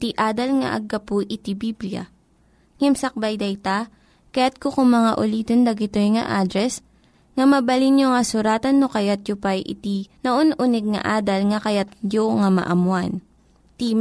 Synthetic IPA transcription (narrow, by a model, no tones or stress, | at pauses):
t̪iʔaːd̪ɐlŋɐ̰ʔɐ̰ɡːɐpʊʔɪt̪ibibliɐ̰ | ŋɛmsɐk̚bajd̪ɐjt̪a | kɐjat̪̚kokʊŋmɐŋa̰ʔʊliːt̪ond̪ɐɡɪt̪ojŋɐ̰ʔaːd̪ɾɛs | ŋɐmɐbɐlinjoŋɐsʊɾaːt̪ɐnːokɐjat̪̚jʊpajʔɪ̰t̪inɐʔonʔʊnɛɡ̚ŋɐ̰ʔaːd̪ɐlŋɐkɐjat̪̚joŋɐmɐ̰ʔɐmwan | t̪i